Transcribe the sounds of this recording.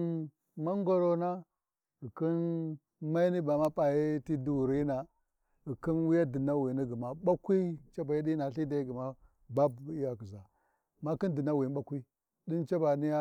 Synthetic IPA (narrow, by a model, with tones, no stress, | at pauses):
ma˦ŋɡo˦ɾo˦na˦ | i˨ki˦n | ma˦i˦ni˦ba˨ma˦pa˨ji˦ti˦du˨ɾi˦na˨ | ɣi˨ki˦nwi˦ja˦di˨na˦wi˨ni˦ɡi˨ma˨ɓa˦kʷi˦t͡ʃa˦ba˨ji˦di˦na˨ɬi˦da˨i˦ɡi˨ma˦ | ba˦bi˦ja˨ki˨za˨ | ma˦ki˦ndi˨na˦wi˨n˦ɓa˦kʷi˦ | di˦nt͡ʃa˦ba˨ni˦ja˦